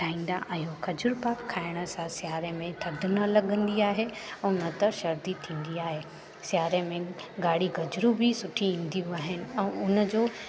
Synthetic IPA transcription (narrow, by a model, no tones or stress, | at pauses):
ʈʰaːĩːn̆d̪a̰ʔɐjokʰɐd͡ʑʊɾpaːkkʰaːɪɽ̃ə̆sãsjaːɾemẽʈʰɐɖʱʊnəlɐɠə̃nd̪iaːɦeɛ̃nət̪ɐʃɐɾd̪it̪ʰĩːn̆d̪iaːɦe | sjaːɾemẽɡaːɽiɡɐd͡ʑɾubʱisʊʈʰiĩːn̆d̪ijũaːɦɪnɪ̆ɛ̃ːʊnə̆d͡ʑoː